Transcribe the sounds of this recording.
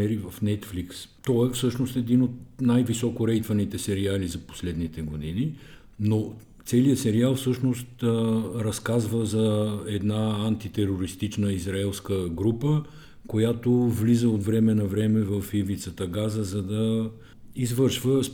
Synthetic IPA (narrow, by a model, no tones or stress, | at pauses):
ɛɾivəfnɛt̪flikst̪ɔɛfsɤʃnost̪ɛd̪inot̪̚najvisɔkʊɾɛjt̪vənit̪ɛsɛɾializɐpo̥slɛd̪nit̪ɛɡod̪ini | no | t̪sɛliəsɛɾialˠfsɤʃnost̪ːɾɐskazvəzɐɛd̪naant̪it̪ɛɾoɾist̪it͡ʃnəizɾaɛlˠskəɡɾupə | kojat̪ovlizəot̪vɾɛmɛnɐvɾɛmɛvəfivit̪sət̪əɡazəzɐd̪ɐ | izvɤɾʃvəs